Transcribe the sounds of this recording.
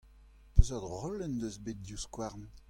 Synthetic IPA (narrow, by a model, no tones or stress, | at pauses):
pøzad̪ʁɔlɛnd̪øzbet̪̚djuskwaʁn